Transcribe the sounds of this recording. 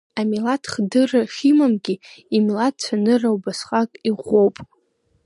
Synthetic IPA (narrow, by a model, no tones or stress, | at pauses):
amilatʰχdɨraχʲimamɡʲiimlat̚t͡ʃʷʰanɨrawbasχʼakʼiʁʷowpʼ